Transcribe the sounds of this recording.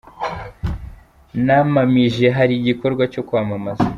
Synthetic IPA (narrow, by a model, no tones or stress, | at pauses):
namamiʒe̞ɦaɾiɟiko̞ɾɡwaco̞kwaːmamaza